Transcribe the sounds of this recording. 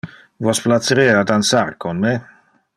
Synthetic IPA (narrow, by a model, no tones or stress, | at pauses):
vɔsplat̪səɾejad̪ansaɾkonme